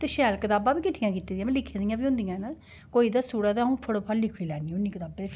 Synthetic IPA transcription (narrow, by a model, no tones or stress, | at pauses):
t̪eːʃɛːlkət̪aːbãːbiːkɪʈʰːɪjãːkiːt̪ːiːd̪ijãːm̃ːlɪkʰːẽːd̪ɪjãːbiːʊ̃nd̪ɪjãːna | koːiːd̪aːsuːɽaːt̪aːɦũːpʰəɽoːpʰəllɪkʰoiːlɛːniːʊnːĩːkɪt̪aːbeː